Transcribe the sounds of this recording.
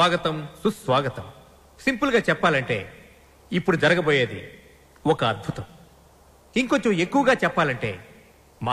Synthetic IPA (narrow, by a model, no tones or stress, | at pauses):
aːɡɐt̪ɐmsusʋaːɡɐt̪ɐm | simpulɡaːt͡ʃɛpːaːlɐɳʈe̞̰ː | ipːuɽud͡ʒɐɾɐɡɐboːjeːd̪ḭ | ɔkɐɐd̪̚bʱut̪ɐm | iŋkoɲt͡ʃomekːuʋɐɡaːt͡ʃɛpːaːlɐɳʈe̞̰ː | ma